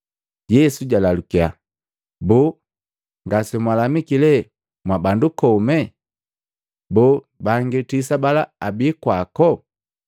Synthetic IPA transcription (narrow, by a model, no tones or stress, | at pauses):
ɟɛsuɟalalukia | bɔ | ŋɡasɔmwalamikilɛ | mwabandukɔmɛ | bɔ | baŋɡitis̬abalaabikwakɔ